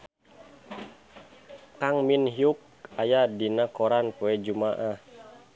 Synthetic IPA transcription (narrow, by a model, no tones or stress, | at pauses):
kaŋminɦijuk̚ajadinakɔɾanpuɛd͡ʒumaʔah